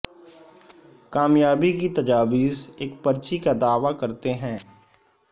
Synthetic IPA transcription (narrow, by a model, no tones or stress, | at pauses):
kaːmjaːbikit̪ɐd͡ʒaːʋiːzeːkpɐɾt͡ʃikad̪aːʋakɐɾt̪eɦɛ̃ː